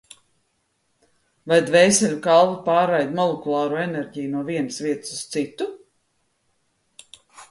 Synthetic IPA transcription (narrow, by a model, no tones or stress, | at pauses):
vajd̪vɛjsʲɛlʲukalˠvupaːɾajd̪mɔlˠekulˠaːɾuːenɛɾʲɟijunuɔviɛnsviɛt̪sust̪sit̪u